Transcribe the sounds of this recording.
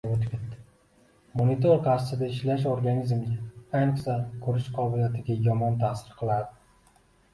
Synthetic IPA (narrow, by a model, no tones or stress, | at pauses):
ot̪ɪ̥kʲʰet̪ːɪ̥ | monit̪ʰoɾqʰaɾsɪd̪aɪʃlaʃ̬oɾɡanizmɡʲaajnɨqsakʰɵɾɪʃqʰɒbɪlijat̪ʰɪɡʲajɒmɒnt̪ʰasɪɾqʰɨlˠaɾd̪ɪ̥